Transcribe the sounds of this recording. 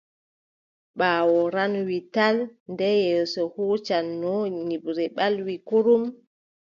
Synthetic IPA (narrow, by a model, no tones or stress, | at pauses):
ɓaːwɔɾanwitalndɛjɛsɔhuːt͡ʃanːɔɲiɓɾɛɓalwikuɾum